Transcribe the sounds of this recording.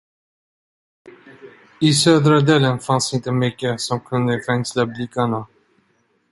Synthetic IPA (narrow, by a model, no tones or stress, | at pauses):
ɪsøːd̪ɾad̪eːlənfansɪnt̪əmʏkːəsɔmkʰɵnd̪əfɛŋslablɪkːaɳa